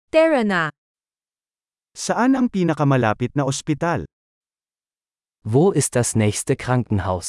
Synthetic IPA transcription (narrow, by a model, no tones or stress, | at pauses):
t̪ɛɹɐna | sɐʔanɐŋpiːnɐkɐmɐlaːpɪt̪̚nɐospɪt̪al | voːʔɪst̪̚d̪ɐsnɛːçst̪əkʁaŋkŋ̩haʊs